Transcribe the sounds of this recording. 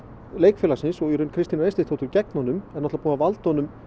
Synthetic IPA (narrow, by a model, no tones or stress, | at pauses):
leːjkfɛːlasɪnsɔɣiɾʏnkʰɾɪst̪inaɾejst̪ɪt̪ʰowt̪ʏɾcɛk̚nɔnʏmɛnɔt̪lapuːnavalt̪ɔnʏm